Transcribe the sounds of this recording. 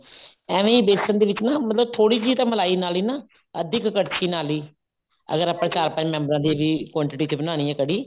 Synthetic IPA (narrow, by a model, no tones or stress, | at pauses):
ɛːʋẽːiːbeːsənd̪eːʋɪt͡ʃnaːmət̪ləb̚t̪ʰoːɽiːd͡ʒiːt̪ãːməlaːiːnaːliːnaː | əd̪ɪkːəɽt͡ʃʰiːnaːliː | ə̰ɡəɾaːpːãːt͡ʃaːɾpə̃ɲd͡ʒmɛ̃ːmbəɾãːd̪iːʋiːkɔ̃ːɳʈɪʈiːt͡ʃ̪ebənaːñiːɛːkəɽiː